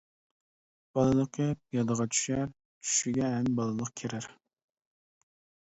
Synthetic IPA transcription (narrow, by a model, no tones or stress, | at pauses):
b̥ɑlˠɨlˠəqʰəp̚jɑd̪əʁɑt͡ʃʰy̥ʃæɾ | t͡ʃʰy̥ʃɪɡʲɛɛmbɑlˠɨlˠəqkʲʰeɾɪɾ